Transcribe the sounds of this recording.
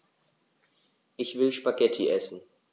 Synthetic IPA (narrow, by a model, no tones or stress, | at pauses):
ʔɪçv̥ɪlʃpaɡɛtʰiʔɛsn̩